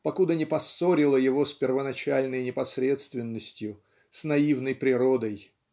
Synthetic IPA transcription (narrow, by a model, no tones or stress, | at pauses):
pɐkud̪ənʲɪpɐsːoɾʲɪlˠəjɪvo̞sʲpʲɪrvənɐt͡ɕalʲnəjnʲɪpɐsɾʲet̪st̪vʲɪnːəsʲtʲjʊ | snɐivnəjpɾʲɪɾo̞d̪əj